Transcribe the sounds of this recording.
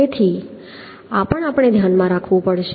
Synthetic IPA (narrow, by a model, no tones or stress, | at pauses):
et̪ʰi | apəɳapəɽ̃ed̪ʱjanmãɾakʰʋũpəɽʃ